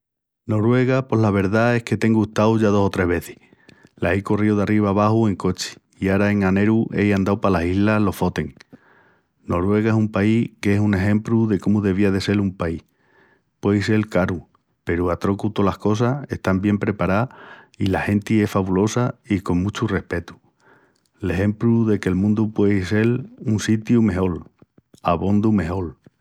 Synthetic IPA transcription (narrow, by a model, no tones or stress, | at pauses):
no̞ɾwe̞ɣapo̞ɦlaβ̞e̞ɾðae̞hke̞t̪e̞ŋɡuht̪awʝaðo̞so̞t̪ɾe̞ɦβe̞θi̥ | laejko̞rioðariβ̞aːβahue̞ŋko̞t͡ʃi̥ | iaɾae̞ŋane̞ɾuʔe̞jand̪awpalasiɦlalo̞fo̞t̪e̞ŋ | no̞ɾwe̞ɣae̞sumpaike̞sune̞ɦẽ̞mpɾuðe̞komuðe̞β̞iaðe̞se̞lumpaih | pwe̞jse̞lkaɾu | pe̞ɾuat̪ɾo̞kut̪o̞lahko̞s̬ae̞̰ht̪ambje̞mpɾe̞paɾa | ilahe̞nt̪ie̞faβulo̞saiko̞ŋmũt͡ʃure̞hpe̞t̪u̥ | le̞ɦe̞mpluðe̞ke̞lmũnd̪upwe̞ise̞lunsit̪jume̞ɦo̞l | aβo̞nd̪ume̞ɦo̞l